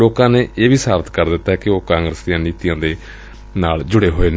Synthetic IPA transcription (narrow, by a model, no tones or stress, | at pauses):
oːkãːneːʔeːʋiːsaːbət̪kəɾd̪ɪt̪ːaːɦɛːkɪoːkãːŋɡɾəsd̪ijãːniːt̪ijãːd̪eː | naːld͡ʒʊɽeːɦoːeːn